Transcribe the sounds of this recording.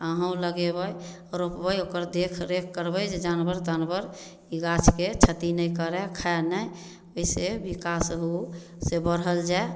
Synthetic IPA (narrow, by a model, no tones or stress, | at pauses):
aɦə̃ũləɡebəj | ɾopbəjokəɾd̪ekʰɾekʰkːəɾbəjd͡ʒed͡ʒanbəɾt̪anbəɾ | iɡat͡ʃʰket͡ʃʰət̪inəjkəɾɛkʰaenəj | oisebikasɦou | sebəɾɦəld͡ʒae